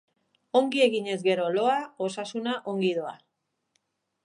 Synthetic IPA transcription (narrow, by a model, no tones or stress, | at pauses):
o̞ŋɡie̞ɣiɲe̞zɡe̞ɾo̞lo̞aosasunaʔo̞ŋɡið̞oa̰